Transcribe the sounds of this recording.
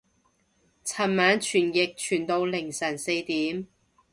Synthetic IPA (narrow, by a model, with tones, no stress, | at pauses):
t͡sʰɐ˨˩nmaː˨˥nt͡ʃʰyː˨˩njɪ˨k̚t͡ʃʰyː˨˩nt̪o˧wlɪ˨˩ŋsɐ˨˩nse˧jt̪iː˨˥m